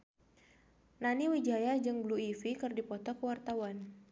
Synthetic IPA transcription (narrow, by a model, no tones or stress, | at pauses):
naniwid͡ʒajad͡ʒɨŋbluifikɨrdipɔt̪ɔkəwart̪awan